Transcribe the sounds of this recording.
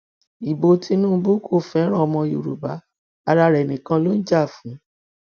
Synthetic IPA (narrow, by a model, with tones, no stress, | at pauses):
i˨bo˨˦ti˧nũː˦bu˦kʰo˦˨fɛ˨˦ɾ̃ã˦ɔ˧mɔ̃˧jṵ˨ɾṵ˨ba˨˦ | a˧ɾa˧ɾɛ˨nĩ˨kã˧lo˦n̩˦d͡ʒa˦˨fũ˨˦